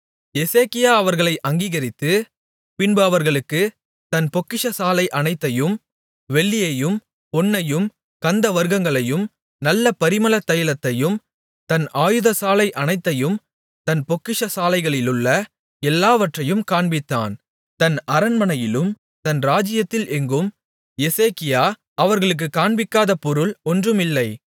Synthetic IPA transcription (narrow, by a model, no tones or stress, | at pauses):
jɛseːkɪjaːɐʋɐɾɣɐɭɐɪʔɐŋɡiːɣɐɾɪt̪ːɯ | pɪnbɯɐʋɐɾɣɐɭɯkːɯ | t̪ɐnpɔkːɪʂɐsaːlɐɪʔɐnɐɪt̪ːɐjɯm | ʋɛɭːɪjɐjɯm | pɔnːɐjɯm | kɐnd̪ɐʋɐɾɣɐŋɡɐɭɐjɯm | nɐlːɐpɐɾɪmɐlɐt̪ːɐjɐɭɐt̪ːɐjɯm | t̪ɐnaːjɯðɐsaːlɐɪʔɐnɐɪt̪ːɐjɯm | t̪ɐnpɔkːɪʂɐsaːlɐɪɣɐɭɪlɯɭːɐ | ɛlːaːʋɐʈrɐjɯmkaːɳbɪt̪ːa̰ːn | t̪ɐnɐɾɐnmɐnɐjɪlɯm | t̪ɐnɾaːd͡ʒɪjɐt̪ːɪlʔɛŋɡɯm | jɛseːkɪjaː | ɐʋɐɾɣɐɭɯk̬ːɯkːaːɳbɪkːaːðɐpɔɾɯɭɔndrɯmɪlːɐɪ